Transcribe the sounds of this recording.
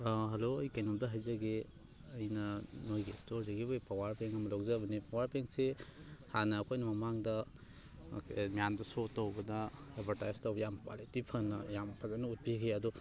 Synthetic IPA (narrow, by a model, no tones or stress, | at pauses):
ɦɐloɐjkɐjnumdɐɦɐjzɐɡe | ɐjnɐnojɡestoɾdɐɡibɐjpʰawaɾpeŋɐmɐlokzabɐnipawaɾpeŋsehanɐːkʰojnɐmɐmaŋdɐ̰ | mijandɐsotːɐwbɐdɐebʱɐɾtajztɐwbɐjamkwa̰litipʰɐnɐjampʰɐzanɐut̚biɡeɐdu